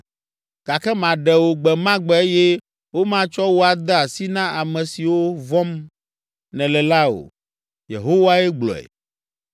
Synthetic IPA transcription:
ɡ̥a˨kɛ˦mã˨ɖɛ˨wo˦ɡ͡bɛ˨mã˦ɡ͡bɛ˨e˦jɛ˦ | wo˦mã˦t͡ʃɔ˦wo˦a˨d̪ɛ˦a˨si˦nã˦ʔa˨mɛ̃˨si˨wo˦vɔ̃˦m | nɛ̃˨lɛ˨la˦o̰˨ | jḛ˨ɦo˦wa˦ɛ˦ɡ͡blɔ̰˨ɛ̰˨

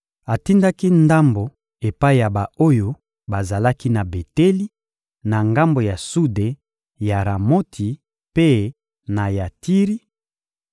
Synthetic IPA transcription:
a˨ti˦nda˦ki˦nda˦mbo˨ | e˨pa˦i˨ja˨ba˨o˦jo˦ | ba˨za˨la˦ki˦na˨be˨te˦li˦ | na˨ŋɡa˦mbo˨ja˨su˦de˨ | ja˨ʁa˨mo˦tʰi˨ | pe˦ | na˨ja˨ti˦ʁi˦

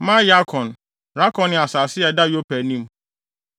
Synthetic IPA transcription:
mã˦ja˦kʰɔ̃˨n | ɾa˦kʰɔ̃˨nːɪ̃˨a˨saː˨sɪ˦a˨da˦jo˦pʰæ˨nĩ˦m˦

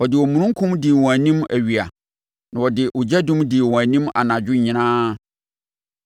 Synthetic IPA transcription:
ɔ˨dɪ˨wɔ˨mũ˨ñʊ̃˦ŋ̩˦kʰʊ̃˦mdɪ˨wɔ̃˨æ˨nĩ˦mæ˨ɥi˨a˨ | nã˨wɔ˨dɪ˨ʔʊ˨d͡ʑɛ˦dũ˦mdɪ˨wɔ̃˨æ˨nĩ˦ma̰˨nã˨d͡ʑᶣʊ˦ɲɪ̃˨nãː˦

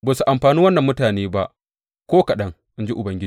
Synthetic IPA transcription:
baː˨su˨ʔa˨mɸaː˨niː˦wɐ˦nːɐ˨mːʊ˦taː˨neː˦ba˦ʔ | kʷoː˦kɐ˨ɗɐ˦ŋ | ʔɪ˦nd͡ʒi˦ʔʊ˨bɐ˦ŋɡʲɪ˦d͡ʒi˨

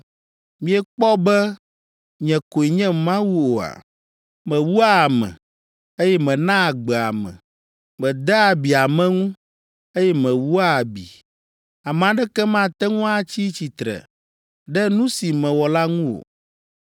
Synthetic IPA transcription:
mĩ˨˦ɛ˦k͡pɔ˦bɛ˦ | ɲɛ̃˨ko˨i˨ɲɛ̃˦mã˦wu˦o˨a̰˨ | mɛ̃˨wu˦a˦˨mɛ̰̃˨ | e˦jɛ˦mɛ̃˨nã˦˨ɡ͡bɛ˨a̰˨mɛ̰̃˨ | mɛ̃˨d̪ɛ˦a˨bi˨a˨mɛ̃˦ŋũ˦ | e˦jɛ˦mɛ̃˨wu˦a˦˨bḭ˨ | a˨m˨ã˨ɖɛ˦kɛ˦mã˦t̪ɛ˦ŋũ˦a˦t͡ɕi˦t͡ɕi˨t̪ɾɛ̰˨ | ɖɛ˦nũ˦si˨mɛ̃˨wɔ˨la˦ŋũ˦wo̰˨

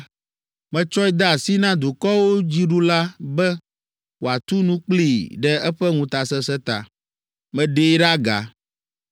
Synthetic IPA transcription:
mɛ̃˦t͡ʃɔ˦i˦d̪a˦a˨si˦nã˦d̪u˨kɔ˦wo˦d͡ʑi˦ɖu˦la˦bɛ˦ | wo˨a˨t̪u˦nũ˦k͡pli˨ɖɛ˦ɛ˦ɸɛ˦ŋũ˦t̪a˨sɛ˦sɛ˦t̪a̰˨ | mɛ̃˦ɖe˦ɖa˦ɡa̰˨

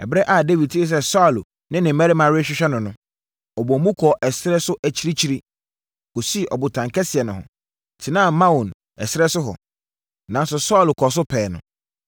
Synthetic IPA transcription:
ɛ˨bɾɛ˦ʔa˦˨de˦vi˨tʰi˦ɪ˨s̬ɛ˦sɔ˦˨l | nɪ̃˦nɪ̃˨m̩˦mæ˦ɾɪ˦mã˨ɾɕᶣɪ˦ɕᶣɛ˦nʊ̃˨nʊ̃˦ | ɔ˨bɔ˨˦mũ˦kʰɔ˨ʔɛ˨sɪ˦ɾɛ˦sʊ˦ʔæ˨t͡ɕʰi˦ɾi˦t͡ɕʰi˦ɾi˦ | ko˨si˦˨ʔɔ˨bʊ˨tʰã˨ŋkʰɛ˦sɪ˨ɛ˨nʊ̃˨hɔ̰˨ | tʰɪ˨nã˦˨mã˦wu˨n | ɛ˨sɪ˦ɾɛ˦sʊ˦ɦɔ̰˨ | nã˨n˦sʊ˨sɔ˦˨lkʰɔ˨s̬ʊ˦pʰɛː˨nʊ̰̃˨

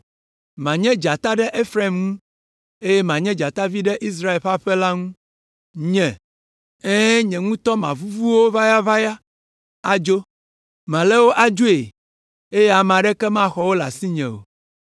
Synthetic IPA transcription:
mã˨ɲɛ̃˦d͡ʒa˨t̪a˦ɖɛ˦ʔe˦fɾe˦˨mŋũ˦ | e˦jɛ˦mã˨ɲɛ̃˦d͡ʒa˨t̪a˦vi˦ɖɛ˦ʔi˦s̬ɾa˦e˨lɸa˦ɸɛ˦la˦ŋũ˦ | ɲɛ̃˨ | ɛ̃˦ɲɛ̃˨ŋũ˦t̪ɔ˦mã̰˨vu˦vu˦wo˦va˦ja˦va˦ja˦ | a˨d͡ʒo˦ | mã˨lɛ˦wo˦ʔa˦d͡ʒo˦e˨ | e˦jɛ˦a˨m˨ã˨ɖɛ˦kɛ˦mã˦xɔ˨wo˦la̰˨si˦ɲɛ̰̃˨wo̰˨

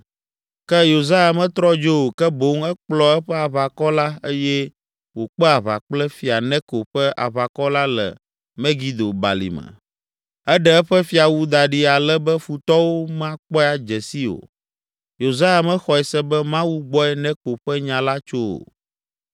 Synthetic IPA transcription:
kɛ˦jo˨za˦ja˨mɛ̃˦t̪ɾɔ˦d͡ʒo˦o˨kɛ˦bo˦ŋɛ˦k͡plɔ˦ɛ˦ɸɛ˦a˨βa˨kɔ˦la˦e˦jɛ˦ | wo˨k͡pɛ˦a˨βa̰˨k͡plɛ˦fi˨a˨nɛ̃˦ko˨ɸɛ˦ʔa̰˨βa˨kɔ˦la˦lɛ̰˨ | mɛ̃˦ɡi˨d̪o˨ba̰˨lḭ˨mə̰̃˨ | ɛ˦ɖɛ˦ɛ˦ɸɛ˦fi˦a˨wu˦d̪a˨ɖi˦a˨lɛ˦bɛ˦fu˨t̪ɔ˦wo˦mã˦k͡pɔ˦a˨d͡ʒɛ˨si˦o̰˨ | jo˨za˦ja˨mɛ˦xɔ˨ɛ˨sɛ˦bɛ˦mã˦wu˦ɡ͡bɔ˦ɛ˦nɛ̃˦ko˨ɸɛ˦ɲã˨la˦t͡ʃo˦o̰˨

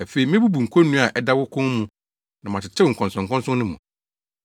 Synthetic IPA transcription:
æ˨fe˨i˨˦mɪ̃˦bu˦bu˨ŋ̩˨kʰo˦nũ˦a˨ʔɛ˨da˦wʊ˦kʰʊ̃˦ŋ˦mũ˨ | nã˨m˨ã˨t͡ɕʰɪ˨t͡ɕʰɛ˦wŋ̩˨kʰɔ̃˨nsɔ̃˨ŋ̩˨kɔ̃˦nsʊ̃˦nʊ̃˦mṵ̃˨

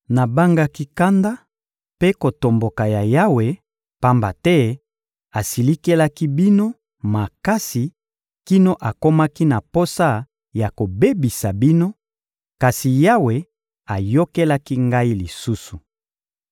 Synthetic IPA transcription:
na˨ba˦ŋɡa˦ki˦ka˦nda˦ | pe˦ko˨to˨mbo˨ka˨ja˨ja˦we˨ | pa˦mba˨tɛ˦ | a˨si˨li˦ke˦la˦ki˦bi˦no˦ | ma˨ka˦si˨ | ki˦no˦ʔa˨ko˦ma˦ki˦na˨po˦sa˦ | ja˨ko˨be˦bi˨sa˨bi˦no˦ | ka˨si˨ja˦we˨ | a˨jo˦ke˦la˦ki˦ŋɡa˦i˦li˨su˦su˨

